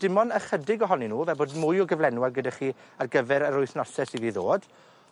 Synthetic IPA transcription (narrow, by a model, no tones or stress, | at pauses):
d̥ɪmɔnəχədɪɡɔɦɔninuːvɛboːdmʊjɔɡəvlˠɛnwarɡədaχiːarɡəvɛɾəɾʊɨθnɔsɛsiviːðoːd̥